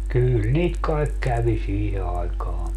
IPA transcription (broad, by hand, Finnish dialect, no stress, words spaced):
kyːl niːt kɑek kæʋi siːhe ɑikɑː